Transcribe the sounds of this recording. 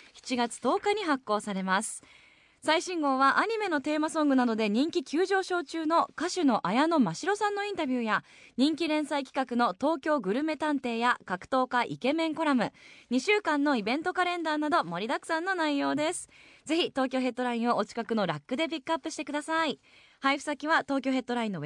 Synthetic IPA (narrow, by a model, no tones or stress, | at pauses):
çi̥t͡ɕiɡat͡sɨ̥t̪o̞ːkaɲ̟iɦakːo̞ːsaɾe̞masɨ̥ | saiɕĩŋɡo̞ːβaʔaɲ̟ime̞no̞t̪e̞ːmasõ̞ŋɡɯ̟nad̪o̞d̪e̞ɲ̟ĩŋkʲikʲɨːʑo̞ːɕo̞ːt͡ɕɨːno̞kaɕɨno̞ʔajano̞maɕiɾo̞sãnːo̞ĩnt̪abʲjɯːja | ɲ̟ĩŋkʲiɾẽ̞ɰ̃saikʲi̥kakɯ̟no̞t̪o̞ːkʲo̞ːɡɯ̟ɾɯ̟me̞t̪ãnt̪e̞ːjakakɯ̟̥t̪o̞ːkaʔḭke̞mẽ̞ŋko̞ɾamɯ̟ɲ̟iɕɨːkãnːo̞ibẽ̞nt̪o̞kaɾẽ̞nd̪aːnad̪o̞mo̞ɾʲid̪akɯ̟̥sãnːo̞naijo̞ːd̪e̞sɨ̥ze̞çʲit̪o̞ːkʲo̞ːɦe̞t̪ːo̞ɾaĩɰ̃o̞ʔot͡ɕi̥kakɯ̟no̞ɾakːɯ̟d̪e̞p̬ʲikːɯapːɯ̟ɕi̥t̪e̞kɯ̟d̪asai | haiɸɯ̟̥sakʲiβat̪o̞ːkʲo̞ːɦe̞t̪ːo̞ɾaĩnːo̞